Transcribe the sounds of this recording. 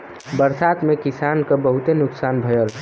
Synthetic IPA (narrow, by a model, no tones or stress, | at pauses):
bəɾsat̪mekisankəbəɦut̪enʊksanbʱəjəl